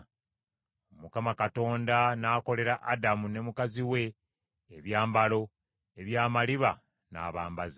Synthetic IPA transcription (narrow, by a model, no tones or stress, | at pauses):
omukamakato̞ːndanaːko̞le̞ɾaʔadamune̞mukaziwe̞ː | βjaːmbalo̞ | eβjaːmaliβa | na̰ːβaːmbaza